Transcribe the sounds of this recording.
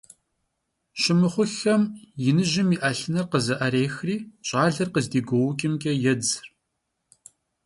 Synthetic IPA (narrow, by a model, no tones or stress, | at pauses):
ɕɪmɨχʷʊxɐmjɪnɨʒɪmiːʔaːɬɨnɐrqəzɐʔɐɾeːxriːɕʼaːɮɐrqəzdiːɡʷɔwʊkʲʼɪmkʼɐjɛd͡zr